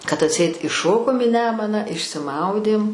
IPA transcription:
kɐt ɐtʲˈsʲɛɪt ɪˈʃoːkoːm iː ˈnʲæːmʊnɑː ɪʃʲsʲɪˈmɐʊdʲeːm

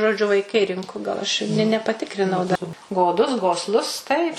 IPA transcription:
ʒoːˈd͡ʒʲʊ ʋɐɪˈkɐɪ ˈrʲɪŋkʊ ɡɐlˠ ˈɐʃ ɪ nʲɛ nʲɛ nʲɛpɐˈtʲɪkrʲɪnɐʊ dɐ ɡoːˈdʊs ɡoːsˈlˠʊs tɐɪp

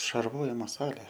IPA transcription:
ʃɐrˈʋoːjɪmoː ˈsɑːlʲeː

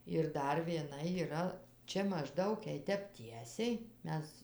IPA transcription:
ɪr ˈdɐr ʋʲiɛˈnɐ iːˈrɐ ˈt͡ʃʲɛ mɐʒˈdɐʊk jɛɪ ˈtʲɛp ˈtʲiɛsʲɛɪ ˈmʲɛs

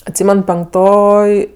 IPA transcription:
ɐtʲˈsʲiːmʲɛn pʲɛŋkˈtoːj

